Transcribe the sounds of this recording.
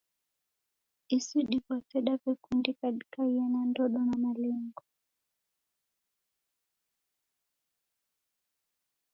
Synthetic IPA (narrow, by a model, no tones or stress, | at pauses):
isiɗikwatɛɗavɛkundikaɗikaianandɔɗɔnamalɛŋɡɔ